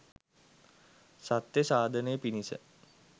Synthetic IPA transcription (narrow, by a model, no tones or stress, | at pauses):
sat̪jəsaːd̪ʱənəjəpinisə̰